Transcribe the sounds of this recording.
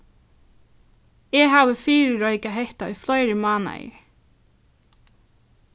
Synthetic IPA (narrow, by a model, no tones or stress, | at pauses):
ɛɦaːvɪfiːɾɪɹɔjkaɦɛht̪aɔjflɔjɾɪmaːna̰j̰